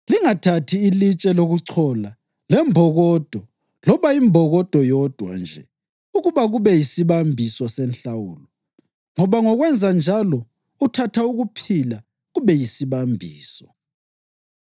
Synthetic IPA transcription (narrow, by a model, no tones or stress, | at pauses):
liŋatʰatʰiːlit͡ʃʼɛloɣuǀʰɔla | lɛmbʱɔɣɔd̥ʱɔ | lɔβaimbʱɔɣɔd̥ʱɔjɔd̥ʱwa̰nd͡ʒʱɛ̰ | uɣuβaɣuβɛjisiβambʱisɔsɛnɬawuːlɔ | ŋɔβaŋɔɣwɛnd͡zʱand͡ʒʱalɔ | utʰatʰauɣupʰila | ɣuβɛjisiβambʱiːsɔ